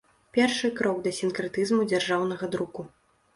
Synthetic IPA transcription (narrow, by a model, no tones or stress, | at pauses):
pʲɛrʂɨkɾɔɡd̪ɐsʲinkɾɨt̪ɨzmud͡zʲarʐawn̪ɐɣɐd̪ɾuku